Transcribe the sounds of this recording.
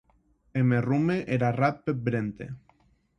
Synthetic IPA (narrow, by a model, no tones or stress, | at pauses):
emerumeʔeɾarat̪pebɾent̪ḛ